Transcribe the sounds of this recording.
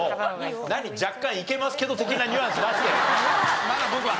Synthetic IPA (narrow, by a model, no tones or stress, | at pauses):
naɲ̟id͡ʑakːãɰ̃ike̞masɨ̥ke̞d̪o̞t̪e̞kʲinaɲʲɯãsɨɾasi̥keɲimad̪abo̞kɯ̟βa